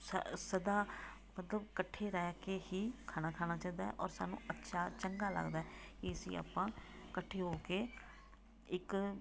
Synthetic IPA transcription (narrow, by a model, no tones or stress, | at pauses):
ssəd̪aː | mət̪ləbkəʈʰːeːɾɛːkeːhiːkʰaːnaːkʰaːnaːt͡ʃãːid̪aːɛ̰ʔɔːɾsa̰ːnṵ̃ːətːʃʰaːt͡ʃəŋɡaːlə̰ɡd̪aːɦɛːkiəsḭ̃ːa̰ːpːãːkəʈʰːeːɦoːkeː | ɪk